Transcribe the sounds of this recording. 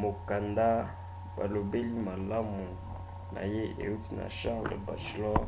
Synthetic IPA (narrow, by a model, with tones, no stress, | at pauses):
mo˨ka˨nda˦ | ba˨lo˨be˦li˦ma˨la˦mu˨ | nʔa̰˨je˦ḛ˨u˦ti˦na̰˨ʃã˦ʁlḛ˨ba˨se˨lɔ˦